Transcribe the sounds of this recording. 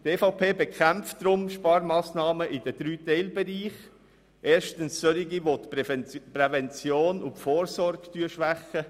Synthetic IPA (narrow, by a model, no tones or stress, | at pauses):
teːfapʰeːbɛkʰæmftd̥ɾʊmʃpɑːɾmaːsnɑːməʔɪd̥əd̥ɾyːtɛɪlbɛɾiːχ | ʔeːɾʃtənsːøɾiɡiʋotprɛvɛnt͡sjoːnʊtfoːɾsɔɾɡtyːəʃʋæχə